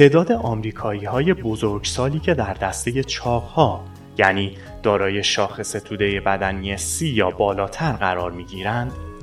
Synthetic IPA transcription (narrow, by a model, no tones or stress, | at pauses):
t̪ʰe̞ːd̪ɒːd̪e̞ʔɒːmɾiːkʰɒːiːhɒːje̞bo̞zoɾɡsɒːliːcʰe̞d̪æɾd̪æst̪e̞je̞t͡ʃʰɒːɢhɒː | jæniː | d̪̥ɒːɾɒːje̞ʃɒːxe̞se̞t̪ʰuːd̪e̞je̞bæd̪ænijesiːjɒːbɒːlɒːt̪ʰæɾɢæɾɒːɾmiːɟiːɾænd̪̥